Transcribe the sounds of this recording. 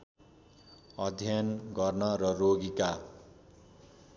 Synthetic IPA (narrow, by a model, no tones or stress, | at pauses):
ʌd̪ʱjanɡʌrnʌɾʌroɡika